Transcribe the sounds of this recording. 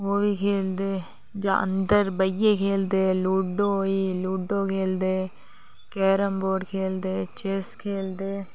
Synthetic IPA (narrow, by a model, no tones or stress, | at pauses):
oːbiːkʰeːld̪eː | d͡ʒã̰ːʔə̰̃nd̪əɾbəjekʰeːld̪eːluːɖoiːluːɖoːkʰeːld̪eː | kɛːɾəmboːɖkʰeːld̪eːt͡ʃeːskʰeːld̪eː